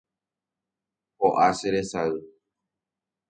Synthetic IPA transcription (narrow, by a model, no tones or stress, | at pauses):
hoʔaseɾesaɨ